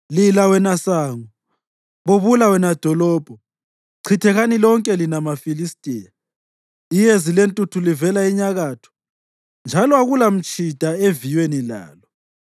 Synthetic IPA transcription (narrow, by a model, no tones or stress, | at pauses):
lilawɛnasaːŋɔ | βoβulawɛnad̥ʱɔlɔːb̥ʱɔ | ǀʰitʰɛɣanilɔŋkʼɛlinamafilistʼiːja | ijezilentʼutʰulivɛlaiɲaɣaːtʰu̥ | nd͡ʒʱalɔaɣulam̩t͡ʃʼʰid̥ʱaevijwenila̰ːlɔ